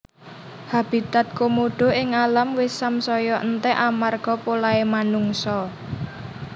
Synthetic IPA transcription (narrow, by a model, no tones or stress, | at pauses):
hab̥i̤t̪at̪̚komoɖ̥o̤ɪŋalamwɪsamsɔjɔʔənt̪ɛʔamarɡ̥ɔ̤polaemanuŋsɔ